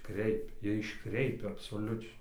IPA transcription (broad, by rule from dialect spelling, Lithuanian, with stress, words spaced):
ˈkrʲɛɪpʲɛ ˈjiɛ ɪʃˈkrʲɛɪpʲɛ ɐpsoːˈlʲʊt͡ʃʲɛɪ